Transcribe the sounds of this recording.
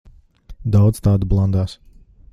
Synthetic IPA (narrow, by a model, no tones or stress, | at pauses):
d̪awd̪z̥t̪aːd̪ublˠand̪aːs